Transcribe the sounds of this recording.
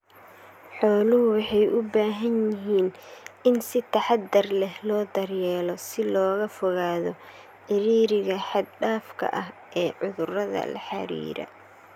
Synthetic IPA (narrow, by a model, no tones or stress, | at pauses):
ħɔːlʊɦʊwɑħɑjʔʊbaːɦɐnjɪɦiːnɪnsɪt̪ʰɐħɑd̪ɐrlɛhlɔːd̪ɐrjɛːlɔsɪlɔːɣɐfɔɣaːðɔ | ħɪɾiːɾɪɣɐħɑd̪̚ɖaːfkʰɐ̰ʔɐɦʔɛːʕʊðʊrɐðɐ̰lɐ̰ħɑ̰ɾḭːɾɐ̰